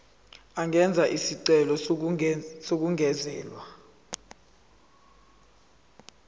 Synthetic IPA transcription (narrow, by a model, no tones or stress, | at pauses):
aŋɛnd͡zʱaʔisiǀɛlɔ | sok̬uŋɛzɛːlwa